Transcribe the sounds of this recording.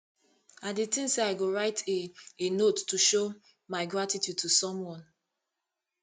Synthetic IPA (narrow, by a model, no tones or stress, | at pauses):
adetĩnseaɪɡoɹaɪtʰeenotːuʃo | maɪɡɹatitjud̚tusɔ̃mwɔ̃n